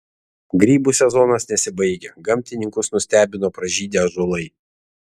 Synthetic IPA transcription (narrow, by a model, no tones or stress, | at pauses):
ɡɾʲiːbuːsʲɛzɔnɐsnʲɛsʲɪbɐɪɡʲɛɡɐmʲt̪ʲɪnʲɪŋkʊsnʊsʲt̪ʲæːbʲɪnoːpɾɐʒʲiːd̪ʲeʒolˠɐɪ